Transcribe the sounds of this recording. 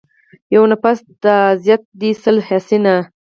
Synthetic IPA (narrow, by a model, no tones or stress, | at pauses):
jawnapasd̪aːzjat̪̚d̪isəlhasina